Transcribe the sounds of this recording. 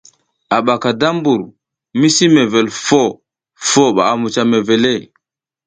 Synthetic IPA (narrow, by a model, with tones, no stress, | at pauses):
a˨ɓa˨ka˨da˦mbu˨ɾ | mi˦si˦me˨ve˨lfo˦ | fo˦ɓa̰˨a˨mu˨t͡ʃa˨me˨ve˨le˦˨